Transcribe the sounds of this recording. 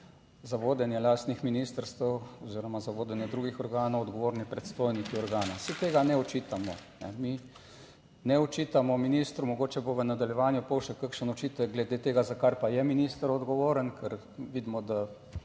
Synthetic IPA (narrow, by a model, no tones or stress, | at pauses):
zaʋoːd̪ɛnjɛlaːst̪nixminiːst̪əɾst̪əwɔziːɾɔmazaʋoːd̪ɛnjɛd̪ɾuɡixɔɾɡaːnɔwɔd̪ɡɔʋoːɾnipɾɛt̪st̪oːjnikiɔɾɡaːnasit̪eːɡanɛɔt͡ʃit̪amɔnɛ̰mi | nɛɔt͡ʃiːt̪amɔminist̪ɾumɔɡoːt͡ʃɛboʋənad̪aljɛʋaːnjupɔwʃɛkəkʃənɔt͡ʃit̪əlɡlɛd̪eːt̪eːɡazakaɾpajɛminist̪əɾɔd̪ɡɔʋoːɾənkʰɛɾ | ʋid̪mɔd̪a